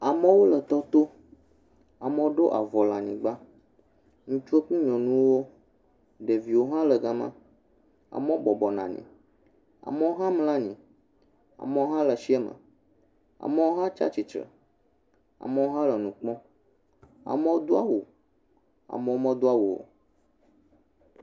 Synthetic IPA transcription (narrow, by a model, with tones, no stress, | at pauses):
a˨mə˦wo˦lə˨t̪ɔ˦t̪o˦ | a˨mə̃˦wo˦ɖo˦ʔa˨vɔ˨lã˨ɲĩ˨ɡ͡ba˦ | ŋũ˦t͡ʃu˦e˦k͡pũ˦ɲɔ̃˨nũ˦wo˦ | ɖe˨vi˨wo˦ɦã˦lə˨ɡa˦mã̰˦ | a̰˨mɛ˦o˦bɔ˨bɔ˨nã̰˨ɲḭ̃˨ | a̰˨mə˦wo˦ɦã˦ml̃ã˦ɲĩ˨ | a̰˨mɛ̃˦ɦã˦lə˨ʃi˦ɛ˦mə̰̃˨ | a̰˨mɛ̃˦wo˦ɦã˦t͡ʃa̰˦t͡ɕi˨t͡ʃɾə̰˨ | a̰˨mɛ˦wo˦ɦã˦lə˨nũ˨k͡pɔ̃˦ | a̰˨mɛ˦o˦d̪o˦a˦wo˨ | a̰˨mɛ̃˦o˦mɛ̃˦d̪o˦a˦wo˨o̰˨